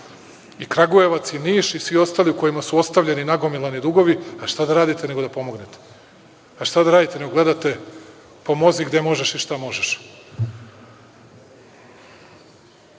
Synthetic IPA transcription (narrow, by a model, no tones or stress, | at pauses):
ikɾaɡuje̞ʋat̪siniːʃisʋio̞st̪aliuko̞jimasuo̞st̪aʋʎʲeninaɡo̞milˠanid̪uɡo̞ʋiaʃt̪ad̪aɾaːd̪it̪ene̞ɡo̞d̪apo̞mo̞ɡnet̪e̥ | aʃt̪ad̪aɾaːd̪it̪eneɡoɡle̞d̪at̪e̞ | po̞mo̞ziɡd̪emo̞ʒeʃiʃt̪amo̞ʒeʃ